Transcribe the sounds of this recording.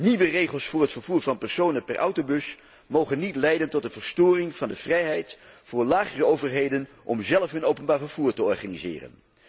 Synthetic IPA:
niʋərejχəlˠsfʊːɹɦətfəɹvuːɹvɑnpɛɹsownənpɛrʔʌ̰wtobɵs | mowχənːitlɛjdəntɔt̚dəv̥əɹstʊːrɪŋv̥ɑndəv̥rɛjɦɛjtvʊːɹlaːχərəowvəɹɦejdən | ʔɔmzɛləfɦɵnowpənbaːɹvəɹv̥uːɹtəɔɹχaːnizɪ̰ːrə̰n

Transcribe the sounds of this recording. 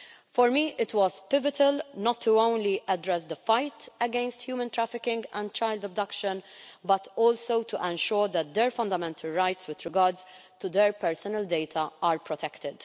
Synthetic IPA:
fɔɾmiʔɪt̪wɔzpɪvɪt̪ʰɪlnɔt̪ʰːuõʊ̃nliʔɛdɾɛs̬d̪əfajt̪ɛɡɛ̃nst̪hjuːmə̃nt̪ɾæfɪkɪ̃ŋɡɛ̃n̚t͡ʃaɪld̪ɔb̚d̪ɐkʃə̃nbɐt̪ɔːlsowt̪ʰuʔɛ̃nʃʊːɾd̪ɛt̪̚d̪ɛɾfɐ̃nd̪əmɛ̃nt̪ʰəlɹajt̪swɪd̪ɾɪɡaɾdzt̪ud̪ɛɾpɛɾsɔnəld̪ejt̪ʰɐʔaːɾpɾɔt̪ʰɛkt̪ɪd̪̥

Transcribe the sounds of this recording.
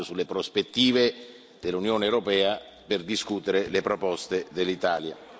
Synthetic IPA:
osulːepɾospet̪ːiːve | d̪elːunjoːneɛwɾopɛːa | perd̪iskut̪eɾelepɾopɔst̪ed̪elːit̪aːlja̰

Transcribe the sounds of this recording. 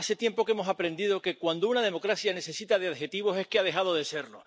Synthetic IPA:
ase̞t̪je̞mpo̞ke̞mo̞sapɾe̞nd̪iðo̞ke̞kwand̪ounað̞e̞mo̞kɾasjane̞se̞sit̪að̞eaðhe̞t̪iβ̞o̞se̞hkeað̞e̞ɦað̞o̞ðe̞se̞ɾlo

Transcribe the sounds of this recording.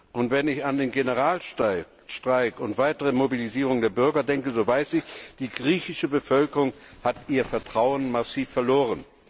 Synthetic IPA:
ʔʊntv̥ɛnɪçandeːnɡenəʁaːl | ʃtʁ̥aɪkʊntv̥aɪtəʁəmobiliziːʁ̞ʊŋdeːɐbʏɐɡɐdɛŋkəzoːvaɪsɪçd̥iːɡʁiːçɪʃəbəfœlkəʁʊŋhatʔiːɐfɛɐtʁ̥aʊənmasiːfːɛɐloːʁ̞ən

